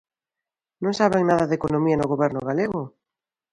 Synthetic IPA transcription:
nõŋsaβeŋnaðɐðekonõmiɐnoɣoβɛɾnʊɣaleɣʊ

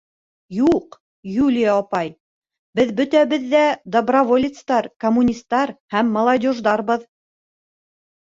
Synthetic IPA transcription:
juq | julʲɪjɑːpɑj | bɘðbɵ̆t̪æβɘðːæd̪ɐbrɐvolʲɪt̪st̪ɑɾkɐmːunʲist̪ːɑɾhæmːɐlˠɐdʲoʒd̪ɑɾbɤð

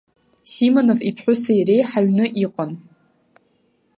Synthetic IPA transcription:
simonovipʰħʷᶣʊsaire̞jħaɥnɨʔiqʼan

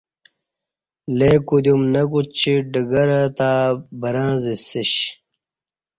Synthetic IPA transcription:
lekud̪umnɐkut͡ɕiɖəɡɐɾɐt̪abɐɾãːzisiɕ

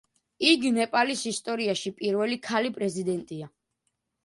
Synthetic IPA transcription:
iɡnɛpʼalisist̪ʼɔɾiaʃipʼiɾvɛlikʰalipʼɾɛzid̪ɛnt̪ʼia

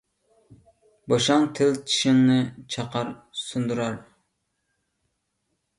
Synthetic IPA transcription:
boʃɑŋt̪ʰɪlt͡ʃʰi̥ʃɪŋnɨt͡ʃʰɑqɑɾsund̪uɾɑɾ

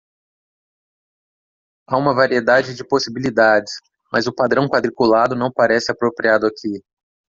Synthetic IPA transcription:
aũmɐvaɾied̪ad͡ʒɪd͡ʒɪposibilid̪ad͡ʒɪs | mʔɐzʊpad̪ɾɐ̃w̃kwad̪ɾikulad̪ʊnɐ̃w̃paɾɛsɪapɾopɾiad̪ʊakʰi

